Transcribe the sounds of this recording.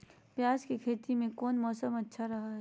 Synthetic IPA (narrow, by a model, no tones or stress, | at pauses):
pjaːskikʰeːt̪imẽkɔːnmɔːsəmɐtːʃʰaɾɐɦaɦɛː